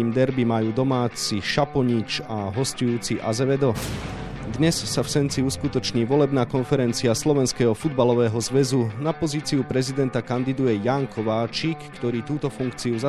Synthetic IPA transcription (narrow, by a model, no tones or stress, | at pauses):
imd̪ɛɾbimajuːd̪ɔmaːt͡siʃapɔɲit͡ʃaɦɔscɔjuːt͡siʔa̰zɛʋɛd̪ɔ | d̪ɲɛssafsɛnt͡siuskut̪ɔt͡ʃɲiːʋɔlɛbnaːkɔnfɛɾɛnt͡siaslɔʋɛnskɛːɦɔfud̪balɔʋɛːɦɔzʋɛzunapɔziːt͡siupɾɛzid̪ɛnt̪akand̪id̪ujɛjaŋkʰɔʋaːt͡ʃikːt̪ɔɾiːt̪uːt̪ɔfuŋkt͡siuza